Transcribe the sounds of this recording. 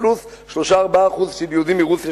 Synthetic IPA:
luθ | ʃloʃaːʁbaːχuðʃibjod̪imiʁuθja

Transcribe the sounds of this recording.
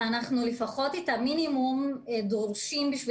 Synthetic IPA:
anaχnulefaχo̞titaminimumedʁoʁʃimbiʃvi

